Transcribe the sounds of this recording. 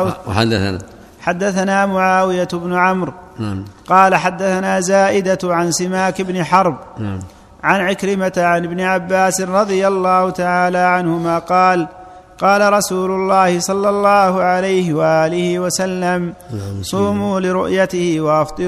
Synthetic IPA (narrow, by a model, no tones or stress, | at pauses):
aːa | ħad̪ːaθanaːmʊʕaːwɪjabnʊʕamɾ | qɑːlaħad̪ːaθanaːzaːʔɪd̪aʕansɪmaːkɪbnɪħɑɾˤb | ʕanʕɪkɾɪmat̪ʕanɪbnɪʕabːaːsɪnɾˤɑðˤɨjalːɑːhʊt̪aʕaːlaːʕanhʊmaːqɑːl | qɑːlaɾˤɑsuːlʊlːɑːhɪsˤɑlːɑlˤːɑːhʊʕalajhɪwaʔaːlɪhɪwasalːamsˤuːmuːlɪɾʊʔjat̪ɪhɪwɑʔɑft̪ˤɨ